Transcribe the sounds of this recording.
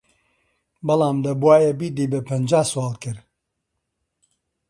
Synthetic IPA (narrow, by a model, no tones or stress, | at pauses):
bɐlaːmd̪ɐbuwaːjɛbiːd̪iːbɐpʰɐnd͡ʒaːswaːlˠkɨɾ